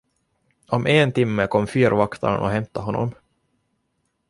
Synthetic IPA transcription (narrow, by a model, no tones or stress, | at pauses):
ʔɔmʔeːnt̪ɪmːəkʰɔmːfyːɾvakt̪ʰa̰ɾɔ̰ɦɛmt̪aɦɔnːɔ̰m